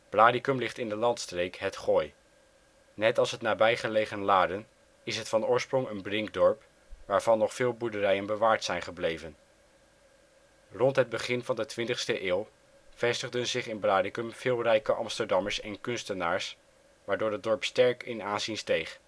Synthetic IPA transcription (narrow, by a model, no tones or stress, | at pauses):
b̥laːdikɵmlɪχtɪndəlɑntstrejkɦətχoːj | nɛtɑlˠsɦətnaːbɛjχəleχənlaːdən | ɪsɦətfɑnʊːɹsprɔŋənbrɪŋk̚dɔɹp | ʋaːɹvɑnːɔχfɪːlˠbuɹdərɛjənbəʋaːɹtsɛjnχəblejvən | rɔntɦəd̚bəχɪnvɑndətʋɪntəχstəʔɪːlˠ | v̥ɛstəχdənzɪχɪnblaːdɪkɵmv̥ɪːlˠrɛjkəʔɑmstəɹdɑməɹsɛnkɵnstənaːɹs | ʋaːɹdʊːɹət̚dɔɹpstɛɹkɪnaːnzinstejχ